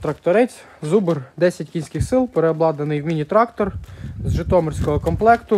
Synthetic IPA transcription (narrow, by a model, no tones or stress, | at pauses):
t̪ɾɐkt̪ɔɾɪt͡sʲ | zubɪrd̪ɛsʲɐtʲkʲinʲsʲkɪxsɪlˠpeɾeɔblˠɑd̪nɐnɪjwmʲinʲit̪ɾɑkt̪ɔrzʒɪt̪ɔmɪrʲsʲkɔɦɔkɔmplˠɛkt̪ʊ